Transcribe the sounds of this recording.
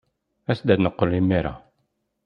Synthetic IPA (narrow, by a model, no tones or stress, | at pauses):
æsd̪æd̪nəqːolimːiɾa̰